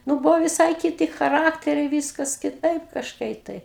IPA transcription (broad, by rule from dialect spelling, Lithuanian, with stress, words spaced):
ˈnʊ ˈbʊʋoː ʋʲɪˈsɐɪ kʲɪˈtʲɪ xɐˈrɑːktʲɛrʲɛɪ ˈʋʲiːskɐs kʲɪˈtɐɪp kɐʃˈkɐɪ tɐɪ